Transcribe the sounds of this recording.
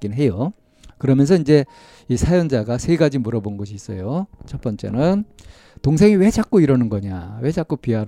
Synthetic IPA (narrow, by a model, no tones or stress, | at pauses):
k͈inɦe̞jo | kɯɾʌmjʌns̬ʰʌind͡ʑe̞ | isʰajʌnd͡ʑaɡasʰeɡad͡ʑimuɾʌbonnɡʌɕʰiːs͈ʌ̰jot͡ɕʰʌp͈ʌnt͡ɕ͈e̞̰nɯn | toŋs̬ʰe̞ŋiwe̞t͡ɕak̚k͈oiɾʌnɯnɡʌɲawe̞d͡ʑak͈opiɦaɾ